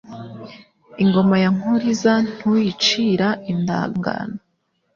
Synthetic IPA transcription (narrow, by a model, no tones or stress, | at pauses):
iŋɡo̞majaŋuɾizan̥hujit͡ʃiːɾaʔinda̰ːŋɡa̰na